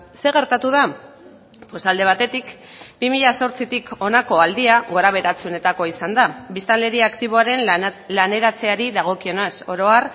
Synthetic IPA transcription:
se̞ɣe̞ɾt̪at̪uða | po̞sald̪e̞β̞at̪e̞t̪ik | bimiʎaso̞ɾt͡sit̪iko̞nako̞ald̪iaɣo̞ɾaβ̞e̞ɾat͡sune̞t̪ako̞isand̪abist̪anle̞ɾiakt̪iβ̞o̞aɾe̞nlane̞ɾat͡se̞aɾiðaɣ̞o̞kio̞ne̞so̞ɾo̞ar

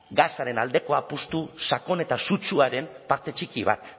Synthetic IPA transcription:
ɡasaɾe̞nald̪e̞ko̞apust̪usako̞ne̞t̪asut͡ʃuaɾe̞mpaɾt̪e̞t͡ʃikiβ̞a̰t̪

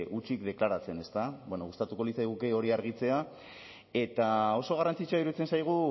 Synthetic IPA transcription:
ut͡ʃikd̪e̞klaɾat͡se̞ne̞st̪abwenoɣust̪at̪uko̞lit͡sajɣ̞ukeo̞ɾiaɾɣ̞it͡se̞a | e̞t̪ao̞so̞ɣ̞arant͡sit͡soaiɾut͡se̞nsajɣ̞u

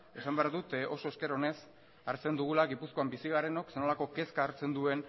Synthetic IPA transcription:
e̞sambeaɾðut̪o̞so̞eske̞ɾaone̞s | aɾt͡se̞nd̪uɣ̞ulaɣipusko̞ambisiɣ̞aɾeno̞ksenolako̞ke̞skaːɾt͡se̞nd̪ue̞n

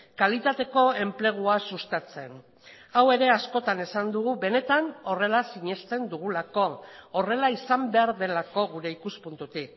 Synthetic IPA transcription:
kalit̪at̪e̞ko̞e̞mple̞ɣ̞uasust̪at͡se̞n | awe̞ɾe̞asko̞t̪ane̞sand̪uɣuβe̞ne̞t̪ano̞re̞lasiɲe̞st̪e̞nd̪uɣ̞ulako̞ːre̞laisambe̞aɾðe̞lako̞ɣuɾe̞ikuspunt̪ut̪ik

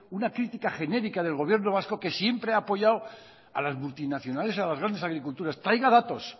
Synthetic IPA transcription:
unakɾit̪ikaχe̞ne̞ɾikaðe̞lɣo̞β̞je̞ɾno̞β̞asko̞ke̞sje̞mpɾeaːpo̞ʝaw | a̰lazmult̪inaθjo̞nale̞s̬alazɣɾand̪esaɣɾikult̪uɾast̪ɾajɣaðat̪o̞s

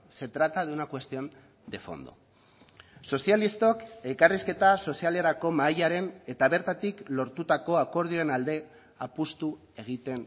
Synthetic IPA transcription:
se̞t̪ɾat̪aðunakwe̞st̪io̞n | d̪e̞fo̞̰nd̪o̞̰ | so̞sjalist̪o̞ke̞kariske̞t̪aso̞siale̞ɾako̞maʎaɾe̞ne̞t̪aβe̞ɾt̪at̪iklo̞ɾt̪ut̪ako̞ako̞ɾð̞io̞enald̪e̞ | apust̪u | e̞ɣ̞it̪e̞n

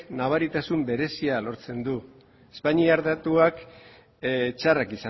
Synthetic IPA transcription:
naβ̞aɾit̪asumbe̞ɾe̞sialo̞ɾt͡se̞nd̪u | espaɲiaɾðat̪uak | t͡ʃarakisa

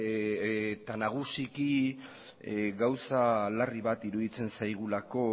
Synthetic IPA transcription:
t̪anaɣ̞usiki | ɡawsalariβat̪iɾuðit͡se̞nsajɣ̞ulako̞

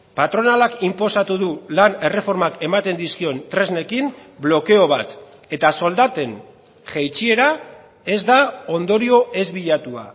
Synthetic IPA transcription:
pat̪ɾo̞nalakimpo̞sat̪uðulane̞re̞fo̞ɾmake̞mat̪e̞nd̪iskio̞nt̪ɾe̞zne̞kimblo̞ke̞o̞β̞a̰t̪ | e̞t̪aso̞ld̪at̪e̞n | ʝejt͡ʃie̞ɾa | e̞zd̪ao̞nd̪o̞ɾio̞ʔe̞zβiʎat̪ua̰

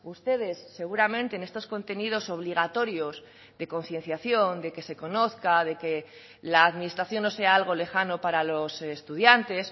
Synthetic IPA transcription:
ust̪e̞ð̞e̞sːe̞ɣ̞uɾamẽnt̪eːne̞st̪o̞sko̞nt̪e̞nið̞o̞so̞β̞liɣ̞at̪o̞ɾjo̞z | ðe̞ko̞nθje̞nθjaθjo̞nd̪e̞ke̞se̞ko̞no̞θkað̞e̞ke̞ | laːðminist̪ɾaθjo̞nːo̞se̞aalɣ̞o̞le̞xano̞paɾalo̞sest̪uðjant̪e̞s

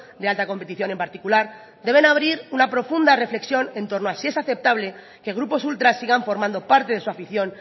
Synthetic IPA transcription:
d̪ealt̪ako̞mpe̞t̪iθjone̞mpaɾt̪ikulaɾ | d̪e̞β̞e̞naβ̞ɾiɾunapɾo̞fund̪are̞fle̞ksjo̞nẽ̞nt̪o̞ɾnoasie̞saθe̞p̚t̪aβ̞le | ke̞ɣ̞ɾupo̞sult̪ɾasːiɣaɱfo̞ɾmãnd̪o̞paɾt̪e̞ðe̞suafiθjo̞n

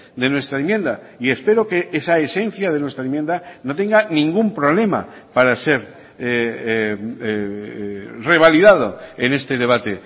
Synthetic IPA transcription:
d̪e̞nwe̞st̪ɾaemje̞nd̪a | ie̞spe̞ɾokeʔesaese̞n̟θjað̞e̞nwe̞st̪ɾaemjend̪anot̪̬e̞ŋɡanĩŋɡumpɾo̞β̞le̞ma̰ | paɾase̞ɾ | e | re̞βaliðað̞oene̞st̪e̞ð̞e̞β̞at̪e

